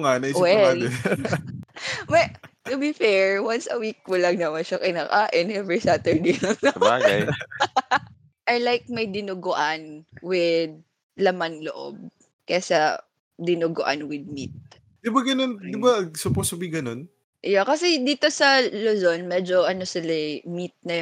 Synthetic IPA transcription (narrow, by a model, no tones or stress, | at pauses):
ŋaːnɐjwɛalɛ | mɐjt̪ʊbifɛɹwansɐwik̚kʊlɐŋnɐwɐʃakɪnaːkaːʔɪnʔɛvɹisat̪ɛɹd̪ejlɐŋnɐaɡj | ʔɐjlajk̚mɐjd̪ɪnuɡʊʔanwɪd̪̚ | lɐmanlo̰ʔo̰b̚ | kɐjasɐ | d̪ɪnuɡʊʔa̰nwɪd̪̚mit̪̚ | d̪̥ɪbaɡɐnond̪ɪbasʊposɐbiɡɐno̞n | ʔjakɐsɛd̪iːt̪o̞sɐlozonmɛd͡ʒoʔɐnosɪlɐmit̪̚nɐ